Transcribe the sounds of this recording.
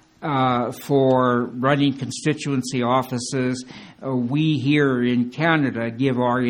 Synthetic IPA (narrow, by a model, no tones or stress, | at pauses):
fə˞ɹʌnɪ̃ŋkʰn̩stɪt͡ʃuɨ̃nsiɔfɨsɪz | wiɦiɹɪ̃nkʰænɨɾɨɡɪvə˞